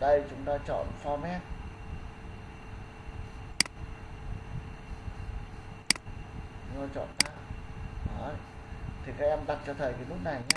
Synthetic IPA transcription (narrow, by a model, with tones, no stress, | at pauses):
ɗə˧jt͡ɕʊ˨˦ŋ͡mt̪aː˧t͡ɕɔ̰˧˨nfɔ˧mɛ˦˥k̚ | t͡ɕʊ˨˧˦ŋ͡mt̪aː˧t͡ɕɔ̰˧˨nʔaː˧ɗɔ˨˦ | t̪ʰi˨˩kaː˦˥k̚ʔɛ˧mɗa˨˩t̚t͡ɕɔ˧t̪ʰə˨˩jkaː˨˦lʊ˦˥p̚na˨˩jɲaː˦